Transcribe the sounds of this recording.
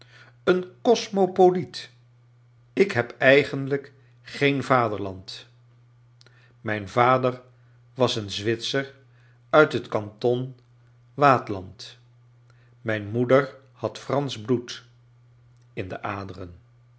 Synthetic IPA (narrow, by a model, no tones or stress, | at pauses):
ənkɔsmopolit | ɪkɦɛpɛjχəndlək | χejnvaːdəɹlɑnt | mɛjnvaːdəɹ | ʋɑsənzʋɪtsəɹ | œɥtɦətkɑntɔn | ʋaːtlɑnt | mɛjnmudəɹ | hɑtfrɑnzblut | ɪndə̰ʔaːdərən